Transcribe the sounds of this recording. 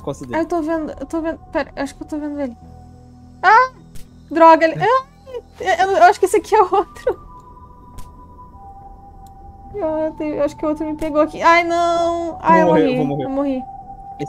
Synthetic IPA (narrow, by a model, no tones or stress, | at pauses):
kõsid̪aewt̪ovẽnd̪ʊḛwt̪ovẽnd̪ʊpɛɾɐewaʃʊ̥kewt̪ovẽnd̪ʊel | a | d̪ɾɔɡɐla | eewnewaʃʊ̥kisɐkiɛot̪ɾʊ | et̪evewaʃʊ̥kɪot̪ɾʊmɪpeɡoakiajnɐ̃w̃a̰jewmohioiewmohi